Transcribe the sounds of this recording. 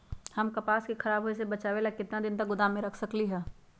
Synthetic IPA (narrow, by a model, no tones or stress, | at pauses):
hɐmkɐpaːskikʰɐɾaːbɦoesebɐt͡ʃaːʋeːlakɪt̪nad̪ɪnt̪ɐk̚ɡʊd̪aːmẽɾɐkʰsɐkliɦɛː